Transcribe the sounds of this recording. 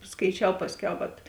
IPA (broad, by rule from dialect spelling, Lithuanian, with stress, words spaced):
skɐɪˈt͡ʃʲɛʊ ˈpɑːsʲˌkʲɛʊ ʋɐt